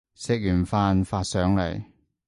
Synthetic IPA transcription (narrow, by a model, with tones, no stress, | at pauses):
sɛː˧k̚jyː˨˩nfaː˧nfaː˧t̚sœː˨˥ŋlɐ̰˨˩j